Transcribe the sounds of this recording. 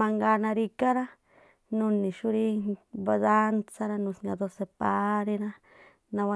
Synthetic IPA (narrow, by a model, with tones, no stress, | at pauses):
a˧ŋɡa˧na˧ɾi˧ka˦ɾa˦ | nu˧ni˨ʃu˦ɾi˦ba˧d̪a˦nt͡sa˦ɾa˦nu˧sŋɡa̰˧d̪o˧se˧˨pa˧˦ɾi˦na˦ | na˧wa˦˧